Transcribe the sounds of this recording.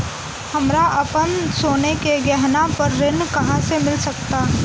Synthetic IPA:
hɐmɾaʔɐpənsoːnekeɡɛɦnãpɐɾːɪnkɐɦãsemɪlsɐk̚t̪a

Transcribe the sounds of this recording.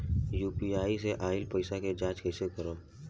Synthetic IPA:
juːpiaːiseʔaːɪlpəɪsaked͡ʒãːt͡ʃkeːsekəɾoː

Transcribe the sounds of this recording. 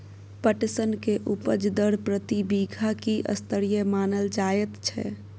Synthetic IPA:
pəʈsənkeʔupəd͡ʒd̪əɽpɾət̪ibiɡʱakiʔə̰st̪əɾijəmaːnəld͡ʒajət̪t͡ʃʰɛ̰

